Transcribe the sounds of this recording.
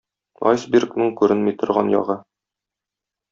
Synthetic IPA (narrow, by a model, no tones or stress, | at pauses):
ɒ̰jsbʲɪrknɤŋkʉɾɘnmijt̪ŏɾʁɑnjɒ̰ʁɤ